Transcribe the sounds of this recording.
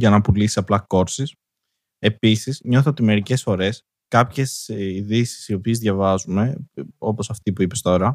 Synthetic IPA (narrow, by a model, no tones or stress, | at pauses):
ʝɐnɐpulisiɐplɐko̞ɾsis | e̞pisizɲo̞θot̪ime̞ɾice̞sfo̞ɾe̞s | kɐpçe̞siðisi̥sio̞piezðʝɐvɐzume̞o̞po̞sɐft̪ipuipe̞st̪o̞ɾɐ